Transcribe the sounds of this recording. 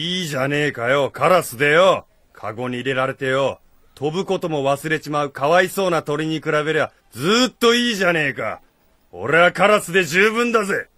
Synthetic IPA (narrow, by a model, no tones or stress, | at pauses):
iːʑane̞ːkajo̞kaɾasɨd̪ejo̞ | kʰa̰ɡo̞ɲ̟iːɾe̞ɾaɾe̞t̪e̞jo̞ | t̪o̞bɯ̟ko̞t̪o̞mo̞βasɨɾe̞t͡ɕimaɯ̟kaβaiso̞ːnat̪o̞ɾʲiɲ̟ikɯ̟ɾabe̞ɾeba | d͡zɨːt̪ːo̞iːʑane̞ːka̰ | o̞̰ɾe̞βakaɾasɨd̪e̞ʑɨːbɯ̟̃nd̪aze